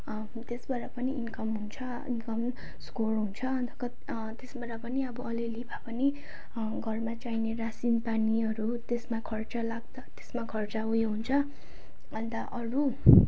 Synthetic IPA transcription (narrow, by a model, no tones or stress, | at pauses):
t̪esbʌɾapʌniinkʌmɦunt͡sʰʌ | ḭnkʌm | skorɦunt͡sʰʌʌnt̪ʰʌ̥kʌ | t̪esbʌɾapʌniʌbʌʌlilibʰʱapʌne | ɡʱʌrmat͡sainerasinpaniʌɾut̪esmakʰʌrt͡sʌlaɡd̪ʌt̪e̥smakʰʌrt͡saɦujɦunt͡sʰʌ | ʌnt̪ʌʔʌɾu